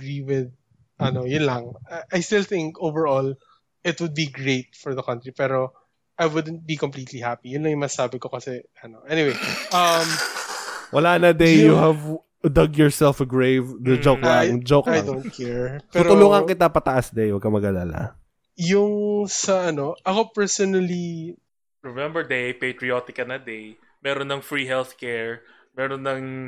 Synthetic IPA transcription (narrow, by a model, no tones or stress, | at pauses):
ɐɡiwɪð̚ | ʔɐnojʊnlɐŋaʔajst̪ɪlˠθɪ̃ŋkowvɛɹɔl | ɪt̪̚wʊd̪̚biɡɹeɪt̪̚fɔɹðɐkɐ̃nt̪ɹipɛːɾo | ʔajwʊd̪nt̪̚bikɔ̃mpliːt̪lihapijʊnlɐŋjʊŋmɐsaːbɪkokɐsɛ | ɐnoʔɛniwejʔɐm | wɐlaːnɐd̪ɛjʊhɐv | d̪ɐɡjɔɹsɛlfɐɡɹejvd̪ɐd͡ʒoklɐŋd͡ʒowklajŋõnt̪kʰɛɹptɛuɾt̪ʊloŋɐŋkɪt̪apɐt̪ɐʔasd̪ejwɐɡ̚kɐmɐɡɐla̰la̰ | jʊŋsɐʔɐno̞ʔɐhkopɛɹsɔnɐli | ɹɛmɛ̃mbɛɹd̪ejpejt̪ɾiot̪ɪkɐnɐd̪ej | mɛːɾonːɐŋfɹiːɦɛlθkɛɹ | mɛːɾonːɐŋ